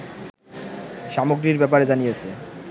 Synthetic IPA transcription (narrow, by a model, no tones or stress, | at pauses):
ʃamoɡɾiɾbɛp̬aɾed͡ʑanijet͡ɕʰe